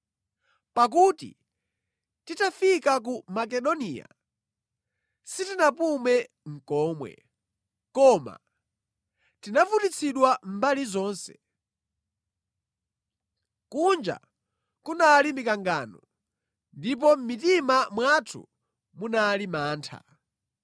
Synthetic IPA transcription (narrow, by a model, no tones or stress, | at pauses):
pak̬utḭ | titafikak̬umak̬ɛɗɔniːja̰ | sitinapumɛ | ŋ̩kɔːmwɛ̰ | kɔma̰ | tinavutit͡sʰiɗwam̩balizɔːnsɛ̥ | kund͡ʒa̰ | kunalimikaŋɡaːnɔ | ndip̬ɔm̩mitimamwatʰṵ | munalimaːntʰa̰